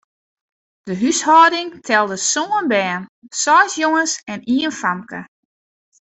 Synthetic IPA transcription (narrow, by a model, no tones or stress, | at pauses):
d̥əɦyshɔːdɪŋtʰɛlˠdəsoːənbɛːnsɔsjoŋəsɛniənfamkə̰